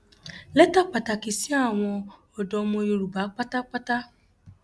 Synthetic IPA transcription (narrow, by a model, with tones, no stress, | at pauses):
lɛ˦ta˦˨k͡pa˨ta˨ki˨si˦a˦˨w̃ɔ̃˧ | ɔ˨dɔ˨mõ˧jo˧ɾu˨ba˨˦k͡pa˦ta˦k͡pa˦ta˦